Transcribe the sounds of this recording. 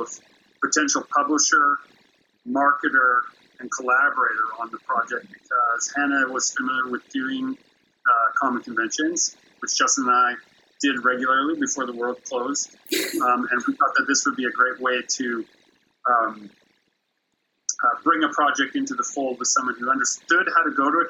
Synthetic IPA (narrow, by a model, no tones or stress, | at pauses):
ʌv̥ | pʰɨtʰɛ̃nʃl̩ˠpʰʌbləʃə˞ | mɑɹkɨɾə˞ | ɨ̃nkʰəlæbə˞eɪɾə˞ə̃nðəpʰɹ̥ɑd͡ʒɛk̚t̚b̥ɨkʰʌz̥hæ̃ñɨwʌz̥fɨ̃mɪl̩ˠjə˞wɨðdʉɪ̃ŋ | kʰɑmə̃n̩kʰɨ̃ɱvɛ̃nʃɨ̃nz̥ | wɨt͡ʃd̥ʒ̥ʌsə̃naɪ | d̥ɪd̚ɹɛɡjl̩ˠə˞lˠibɨfɔɹðəwɜ˞lˠd̚kʰl̥oʊzd̥ | ɨ̃nwiθɔt̪̚ðɨt̪̚ðɪswəd̚biɨɡɹeɪʔ̚weɪɾɨ | bɹɪ̃ŋəpʰɹ̥ɑd͡ʒɛk̚tɪ̃ntʉðəfoʊlˠd̚wəð̥sʌ̃mwʌ̃njʉʌ̃ndə˞stʊd̚haʊɾɨɡoʊɾəɨt